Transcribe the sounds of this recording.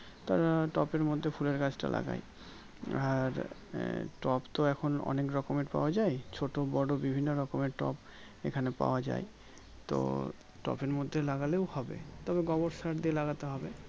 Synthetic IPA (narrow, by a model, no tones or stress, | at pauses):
t̪aɾaʈɔpeɾmod̪ʱːepʰuleɾkat͡ɕʈa̰lʔa̰ɡa̰j | aɾ | ʈɔpt̪oɛkʰonɔ̰nekɾɔkomeʈpa̰oad͡ʑaet͡ɕʰoʈobɔɽobibʱinːoɾɔkomeʈɔ̰p | ḛkʰanepa̰oad͡ʑa̰j | t̪o̰ | ʈɔ̰peɾmod̪ʱːelaɡaleohɔbḛt̪ɔbeɡɔboɾsaʈd̪ielaɡat̪eɦɔbe